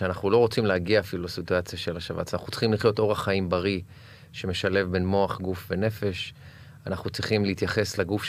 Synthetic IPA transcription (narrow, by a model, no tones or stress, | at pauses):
eanaχulo̞ʁo̞t͡simlehaɡiaːfilulasit̪uat͡sjaʃelaʃava̰tt͡sana̰χnutt͡si̥χimliχjo̞t̪o̞ʁaχaimbaʁi | ʃe̞me̞ʃale̞vbe̞nmo̞aχɡufve̞ne̞fe̞ʃ | anaχnut͡siχimleit̪jaχe̞slaɡuf